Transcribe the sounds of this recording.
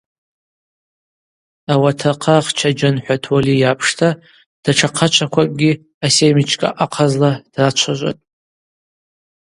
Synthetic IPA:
awatʰaqʰaχt͡ʃʰad͡ʒanħʷᶣatʰwalijapʰʂtʰa | d̥aʈ͡ʂʰaqʰat͡ʃʷʰakʷakʼɡʲi | asemit͡ʃʰʼkʼa̰ʔaqʰazlad̥rat͡ʃʷʰaʒʷa̰tʼ

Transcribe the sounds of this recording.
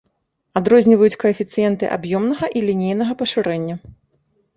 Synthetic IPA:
ad̪ɾɔzʲnʲivɐjut͡sʲkɐɐfʲit̪sɨjɛnt̪ɨʔa̰bjɔmnɐɣɐʔilʲinʲejnɐɣɐpɐʂɨɾɛnʲːɐ

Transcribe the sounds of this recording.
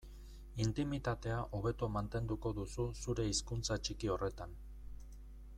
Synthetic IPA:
int̪imit̪at̪e̞aʔo̞β̞e̞t̪omant̪e̞nd̪uko̞ðususuɾe̞iskunt͡sat͡ʃikio̞re̞t̪an

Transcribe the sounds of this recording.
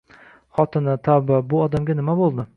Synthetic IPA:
χɒt̪ʰɪnat̪ʰababʊɒd̪amɡʲanɪmabolˠd̪ɪ

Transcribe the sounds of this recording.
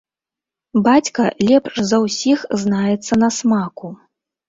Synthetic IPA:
bat͡sʲkɐlʲɛpʂzɐwsʲixznajɛt̪sːɐnɐsmaku

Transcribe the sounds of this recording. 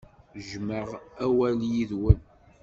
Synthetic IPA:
ʒməʁæwæljiðwən

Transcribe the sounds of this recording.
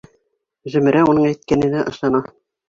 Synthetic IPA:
ʒɵ̆mɘ̆ɾæunɤɴæjt̪̚kænɘ̆næʔɤ̰̆ʃlˠɑnɑ

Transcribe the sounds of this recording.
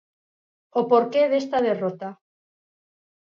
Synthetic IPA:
opoɾkeðest̪aðerot̪a

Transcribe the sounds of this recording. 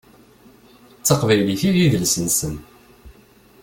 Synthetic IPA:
t͡sːəqvæjliθiðjiðəlsənsən

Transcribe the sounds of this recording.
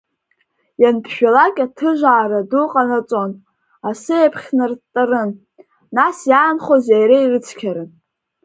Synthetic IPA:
janpʰʃᶣalakʲʼatʰɨʒʷaːɾaduqʼanat͡sʷʼon | asɨjapʰχʲnɨrtʼɨrɨnː | asjaːnχozajɾeirɨt͡sʰkʲʰaɾɨn

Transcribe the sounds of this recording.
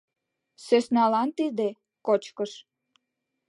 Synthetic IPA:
søsnɑlɑnt̪id̪e | kot͡ɕkəʃ

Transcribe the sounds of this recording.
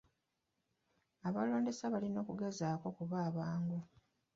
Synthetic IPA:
aβalo̞ːnde̞saβalino̞ːkuɡazaːko̞kuβaːβaːŋɡu

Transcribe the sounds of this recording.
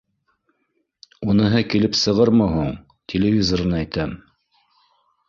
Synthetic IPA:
unɤ̆ɦɤkilɘpsɤ̆ʁɤɾmɤɦuɴ | t̪ʲʰelʲɪvʲizoɾɤnɑæjt̪æm

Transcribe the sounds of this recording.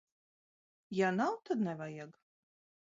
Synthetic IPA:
janawt̪ʰad̪nɛvajaɡ

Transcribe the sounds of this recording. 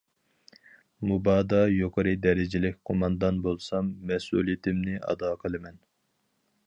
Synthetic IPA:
mubɑːd̪ɑjoqʰəɾɨd̪ɛɾɪd͡ʒɪlɪkʲqʰomɑnd̪ɑnbolˠsɑmːɛsṵlˠijit̪ʰɪmnɪʔɑ̰d̪ɑːqʰəlˠɨmɛn

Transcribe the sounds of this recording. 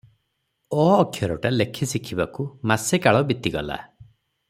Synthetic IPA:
ɔːkʰjɔɾɔʈalekʰisikʰibakumasekaɭɔbit̪iɡɔ̰la̰

